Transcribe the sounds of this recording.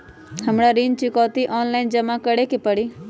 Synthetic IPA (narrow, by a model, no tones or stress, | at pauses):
həmɽaɾint͡ʃɪkɔːt̪iʔɔːnlaɪnd͡ʒəmakəɽekepəɽi